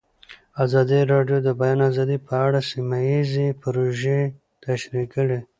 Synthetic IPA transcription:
azɑd̪iɾɑɖjod̪əbajɑnazɑd̪ipʰəaɽasimajizepɾoʒe | t̪aʃɾikəɽe

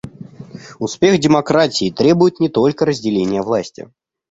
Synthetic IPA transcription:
ʊspʲe̞xdʲɪmɐkɾatʲɪːt̪ɾʲe̞bʊjɪt̪nʲɪt̪o̞lʲkəɾəzʲdʲɪlʲenʲɪjəvlˠasʲtʲɪ̰

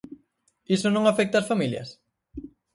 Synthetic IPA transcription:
isonõŋafɛk̚t̪aːsfamiljɐ̰s

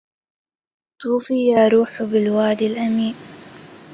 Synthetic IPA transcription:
t̪ˤuːfiːjaːɾuːħʊbɪlwaːlɪlʔamiːn

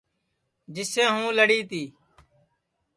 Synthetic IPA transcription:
d͡ʒɪsẽːɦũːləɽiːt̪iː

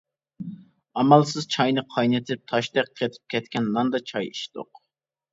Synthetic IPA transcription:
ɑmɑlˠsɨz̥t͡ʃʰɑjnɨqʰɑjnet̪ʰɪp̚t̪ʰɑʃt̪ɛk̚ʲqʰet̪ʰɪ̥p̚kʲʰɛt̪kʲɛnlɑnd̪ɑt͡ʃʰɑjiʃd̪̥o̰q

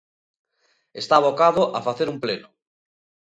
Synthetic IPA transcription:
est̪aβokaðʊʔafaθeɾumplenʊ

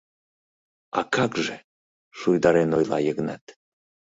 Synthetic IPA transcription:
ɑ̰kɑkʒe | ʃujd̪ɑɾenojlˠɑ̰jəɣnɑ̰t̪

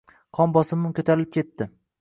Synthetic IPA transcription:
qʰɒmbɒsɪmɪmkʲʰɵt̪ʰaɾlɪp̚kʲʰe̞t̪ːɪ

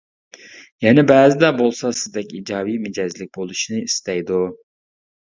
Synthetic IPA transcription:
jɛnɛbɛːzɪd̪ɛbolˠsɑsɪzd̪ɛkʲid͡ʒɑːwijmɪd͡ʒɛzlɪk̚ʲbolˠuʃinɨist̪ɛjd̪u

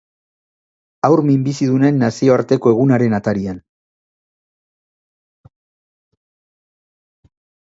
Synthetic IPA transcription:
awɾmimbisiðune̞nːasio̞aɾt̪e̞ko̞e̞ɣ̞unaɾe̞nat̪aɾian

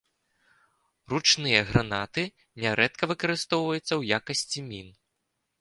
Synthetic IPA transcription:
rut͡ʂnɨjɐɣɾanat̪ɨ | nʲɛɾɛt̪kɐvɨkɐɾɨst̪ɔwvɐjut̪sːɐwjakɐsʲt͡sʲimʲin

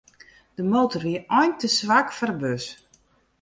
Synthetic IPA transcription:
d̥əmoːtərʋiəɔjntəsʋakfərbøs

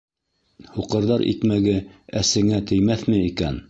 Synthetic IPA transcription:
huqɤ̆ɾðɑɾʔḭkmæɡɘæsɘ̆ŋæt̪ɘ̆jmæθmɘikæn

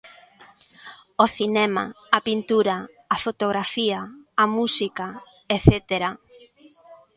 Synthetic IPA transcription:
oθinɛma̰ː | pint̪uɾaː | fot̪oɣɾafiaːmusika | eθet̪eɾa

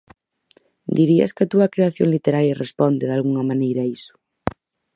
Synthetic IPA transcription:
d̪iɾiɐ̰skɐt̪uɐkɾeaθjoŋlit̪eɾaɾjɐrespɔnd̪ɪðalɣuŋɐmanejɾɐisʊ̥

